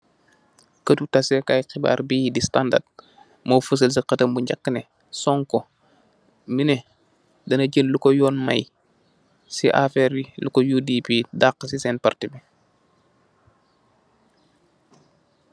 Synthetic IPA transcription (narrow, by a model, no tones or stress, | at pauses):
kətutasekajxiba̰ːɾbiːdistanda̰d̚ | mofus̬əls̬iqətəmbuɲɟakːəne | sɔŋko | mine | dɐnɐɟəllukɔjɔːnma̰j | siʔa̰fɛɾilukojudipidaːqːəsisɛːnpartibi